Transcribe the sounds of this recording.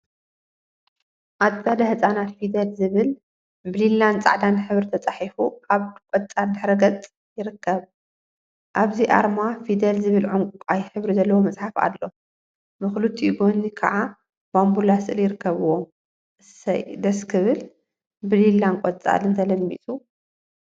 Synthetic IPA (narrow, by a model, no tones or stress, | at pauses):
ʔat̪t͡sʼad̪ɐhɨsʼanat̪fid̪ɐlzɨβɨl | bɨlilːant͡sʼa̰ʕd̪anħɨβɾit̪ʰɐt͡sʼaħifuʔaβkʼɔt͡sʼad̪ɨħɾɐɡɐt͡sʼ | jɪɾɨkʰːɐβ | ʔaβziʔa̰ɾmafid̪ɐlzɨβɨlʕuŋkʷʼukʼajħɨβɾizɐlːɐwomɐt͡sʼħafa̰lːo̞ | mɨxlut̪ʰːiɡo̞nikʰaʕa | bambulasɨʔɨljɪɾɨkːɐβuwo | sɐ̰d̪ɐskʰɨβɨl | bɨlilːankʼɔt͡sʼa̰lɨnt̪ʰɐlɐmːḭt̪ʼu